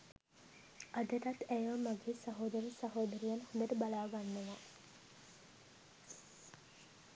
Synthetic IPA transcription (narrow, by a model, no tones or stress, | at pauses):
ad̪ət̪at̪æjʋəmaɡeːsaɦoːd̪əɾisɐɦoːd̪əɾijanhund̪əʈəbalaːɡanːəʋa